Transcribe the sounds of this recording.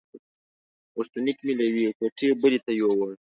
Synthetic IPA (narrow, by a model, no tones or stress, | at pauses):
ost̪unikmilawikoʈebəlit̪ajowa